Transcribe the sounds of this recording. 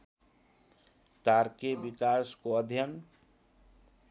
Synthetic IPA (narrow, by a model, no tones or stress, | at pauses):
kaɾkebikaskoəd̪ʱjən